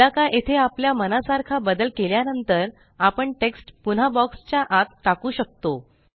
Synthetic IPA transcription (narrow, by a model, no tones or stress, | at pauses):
akaʔet̪ʰeapljamənasaɾkʰabəd̪əlkeljanənt̪əɾ | apəɳʈeksʈpun̤abɔkst͡ɕjaʔat̪ːakuːɕək̚t̪o